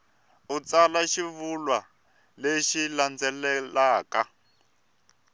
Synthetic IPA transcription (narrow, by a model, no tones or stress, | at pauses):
ut͡salaʃiβulwa | leʃiland͡zɛlɛlaːka